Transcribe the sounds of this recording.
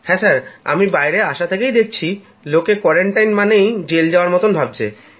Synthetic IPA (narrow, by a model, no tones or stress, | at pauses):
hɛ̃saɾa̰mibajɾeaʃat̪ʰekejd̪ek̚t͡ɕʰi | lokekɔɾeɳʈajnmanejd͡ʑeld͡ʑaoaɾmɔt̪onbʱab̚t͡ɕʰḛ